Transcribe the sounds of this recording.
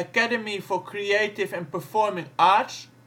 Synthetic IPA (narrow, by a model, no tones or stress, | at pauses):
əkædəmifɔkʰɹieɪtɪvɛ̃npəfɔɹmɪ̃ŋats